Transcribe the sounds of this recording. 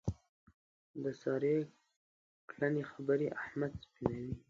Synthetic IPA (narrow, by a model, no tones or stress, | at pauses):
d̪əsɑɾe | klanexabaɾiʔahmad̪sbinawi